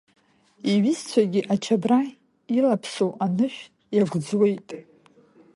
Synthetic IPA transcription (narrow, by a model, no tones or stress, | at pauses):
iɥɪzt͡sʷʰaɡʲiʔat͡ʃʰabra | ilapʰsowʔanɨʃᶣ | jaɡʷd͡zwe̞jtʼ